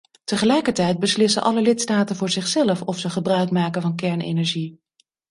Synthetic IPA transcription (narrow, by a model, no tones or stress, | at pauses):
təχəlɛjkəɹtɛjd̚bəslɪsə̰nʔɑ̰ləlɪtstaːtənvʊːɹzɪχsɛləfɔfsəχəbrœɥkmaːkəvɑnkɛɹnḛjnɛɹʒi